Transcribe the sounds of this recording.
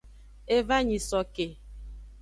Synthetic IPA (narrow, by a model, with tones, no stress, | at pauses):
e˦va˦ɲi˨sɔ˨ke˨